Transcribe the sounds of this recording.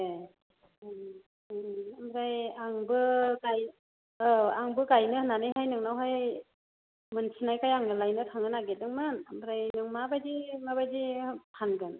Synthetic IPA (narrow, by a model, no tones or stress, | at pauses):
e | amɾajaŋbɯɡaj | aŋbɯɡajnɯhɯnanɯjɦajnɯŋnawɦaj | mɯnsinajkajaŋnɯlajnɯtʰaŋɯnaɡet̚dɯŋmɯnamɾajnɯŋmabajzimaβajzipʰanɡɯn